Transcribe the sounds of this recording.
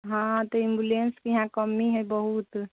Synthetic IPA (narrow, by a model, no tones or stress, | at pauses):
ɦãt̪ɔimbulenskiɦãkəmːiɦɛbəɦut̪